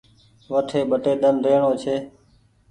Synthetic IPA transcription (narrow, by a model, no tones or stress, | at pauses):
ʋəʈʰeːɓəʈeːɗ̪ənɾeːɳoːt͡ʃʰeː